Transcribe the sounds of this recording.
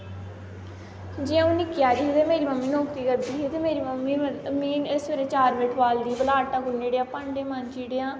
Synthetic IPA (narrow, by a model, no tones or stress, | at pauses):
d͡ʒẽãːʊniːkjaːɾiːt̪eːmeːɾiːməmːiːnɔːkt̪iːkəɾd̪iːet̪emeːɾiːməmːiːmiːnɪsʋəɾeːt͡ʃaːɾʋeːʈʰʋaːld̪iːbəlaːʈãːkʊnːeːɽejãːpãːɳɖeãmaːnt͡ʃiːɽejãː